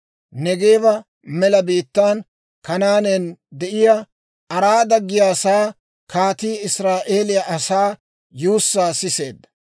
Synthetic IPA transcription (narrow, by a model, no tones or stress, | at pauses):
nɛɡeːβɐ | mɛlɐbiːt̪ːaːn | kɐnaːnɛnd̪ɛʔɪja | ɐɾaːd̪ɐɡːɪjaːsaː | kaːt̪iːɪsɾaːʔe̞ːlɪjɐʔɐsaː | juːsːaːsɪse̞̰ːd̪ːɐ̥